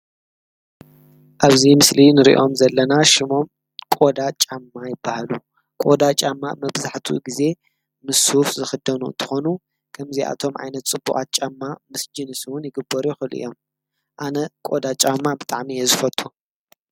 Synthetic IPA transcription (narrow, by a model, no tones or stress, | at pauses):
ʔaβzimɨslinɨɾḭʔo̞mzɐlːɐnaʃɪmo̞m | kʼo̞d̪at͡ʃʼamːajɪbːahalu | kʼo̞d̪at͡ʃʼamːamɐbzaħt̪ʰṵɡize̞ | mɨsufzɨxɨd̪ɐnuɨ̰nt̪ʰɨ̥xo̞nu | kʰɐmziʔa̰t̪ʰo̞mʕa̰jnɐt̪t͡sʼɨbːṵkʼa̰t̪̚t͡ʃʼamːamɨsd͡ʒɨnɨswʊnjɪɡɨbːɐɾuxɨlʔɨ̰jo̞m | ʔanɐkʼod̪at͡ʃʼamːabɨt̪ʼaʕmijezɨfɐt̪ʼu